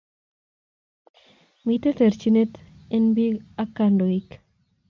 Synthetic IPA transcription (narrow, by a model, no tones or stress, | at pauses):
mit̪et̪eɾt͡ʃinet̪enbiɡakandoik